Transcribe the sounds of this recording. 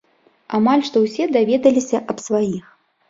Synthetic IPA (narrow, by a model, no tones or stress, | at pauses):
amalʲʂt̪ɔwsʲɛd̪avʲɛd̪ɐlʲisʲɐʔɐpsvajix